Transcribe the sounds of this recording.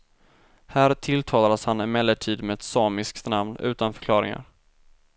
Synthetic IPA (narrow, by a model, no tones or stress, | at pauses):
hæːɾt̪ʰɪlt̪ʰɑːlad̪əshanɪmɛlːəʈʰiːd̪meɛt̪sɑːmɪskt̪namnʉ̟ːt̪anfœ̥kʰlɑːɾɪ̰ŋa̰ɾ